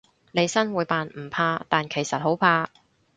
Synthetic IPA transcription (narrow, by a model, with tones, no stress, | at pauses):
ne˨˧jsɐ˥nwuː˨˧jpaː˨nm̩˨˩pʰaː˧t̪aː˨nkʰe˨˩jsɐ˨t̚ho˨˥wpʰaː˧